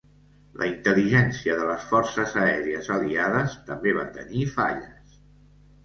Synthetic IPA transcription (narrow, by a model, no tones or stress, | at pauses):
lʔə̰int̪əliʒɛnsiəðələsfɔrsəzəɛɾiəzəliað̞əst̪əmbeβa̰nt̪ə̰nifa̰ʎəs